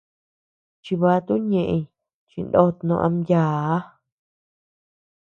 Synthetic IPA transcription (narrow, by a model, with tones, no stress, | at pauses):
t͡ʃi˧βa˧˦t̪u˦ɲẽ˧˨ʔẽ˧ | t͡ʃĩ˧nd̪o˦˧t̪nõ̰˧ʔã˧mja˨˦